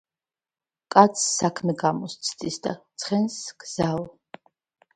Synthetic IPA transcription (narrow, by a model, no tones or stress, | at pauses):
kʼat̪sʰsakʰmɛɡamɔst̪sʰd̪ʼisd̪a̰t̪sʰχɛnsɡ̥z̥al